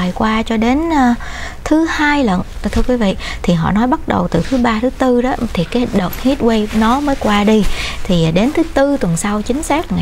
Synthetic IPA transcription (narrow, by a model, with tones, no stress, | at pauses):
jkwaː˧t͡ɕɔ˧ɗe˨˦nː˧ | t̪ʰɨ˨˦haː˧jlə̰˧˨n˨˩t̪ʰɨ˧əkwi˨˦vḭ˧˨t̪ʰi˨˩ɦɔ̰˧˨nɔ˨˦jɓa˦˥t̚ɗə̰˨˩wt̪ɨ˨˩t̪ʰɨ˨˦ɓaː˧t̪ʰɨ˨˦t̪ɨ˧ɗɔ˨˦t̪ʰi˨˩kaː˨˦˨ŋɗəː˨˩t̚hi˦˥t̚we˧jnɔ˨˦məː˨˦jkwaː˧ɗi˧t̪ʰi˨˩ɗe˨˦nt̪ʰɨ˨˦t̪ɨ˧t̪wə˨˩nsa˧wt͡ɕï˨˦ŋ̟saː˦˥k̚ŋa˨